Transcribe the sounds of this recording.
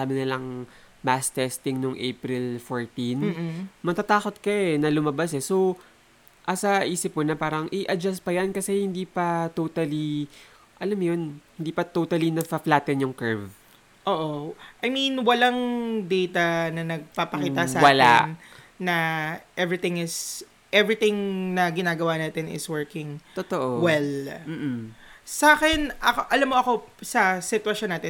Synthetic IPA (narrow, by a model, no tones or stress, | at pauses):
saːbɪnɪlɐŋmast̪ɛst̪ɪŋnʊŋʔḛjpɾɪlfoɹt̪inːmɐt̪at̪aːko̞t̪̚kɐɛnɐlʊmɐbasɛso | ʔɐsɐʔiːsɪp̚konɐpaːɾɐŋʔɪʔɐd͡ʒast̪̚pɐjankɐsɛhɪnd̪iːpɐt̪ot̪ɐli | ʔɐlamjonhɪnd̪iːpɐt̪owt̪ɐlinɐfɐflaːt̪ɛnjʊŋkɛɹv | ʔoːʔoʔɐjminwɐlaŋd̪ɛjt̪ɐnɐnɐɡ̚paːpɐkiːɐsawɐla̰nnɐʔɛvɹɪt̪ɪ̃ŋɪs | ʔɛvɹɪt̪ɪŋnɐɡɪnaːɡɐwaːnaːt̪ɛnɪ̰swɛɹkɪŋt̪ot̪oʔowɛlm̩ː | sɐaːkɛnʔɐkoʔɐlamːoʔɐko̞sɐsɪt̪wɐʃjonːaːt̪ɛ